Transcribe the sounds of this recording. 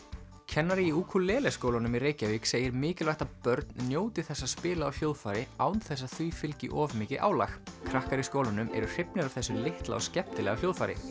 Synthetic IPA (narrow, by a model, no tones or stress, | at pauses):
cʰɛnːaɾɪiuːkʰulɛːlɛskoːwlanʏmiɾeːjcaviːkseːjɪɾmɪːcɪlvajht̪apœɾt̪nnjoːwt̪ɪ̥θɛsːaspɪːlaawhjoːwðfaːjɾɪaːwnθɛs̬ːaθyːfɪlcɪʔɔːvmɪːcɪʔa̰ːwla̰xkʰɾahkaɾiskoːwlanʏmɛ̰ɾʏr̥ɪpnɪɾavθɛsːʏmlɪht̪la̰ɔscɛp̚t̪ɪlɛːɣal̥jowðfajɾɪ̰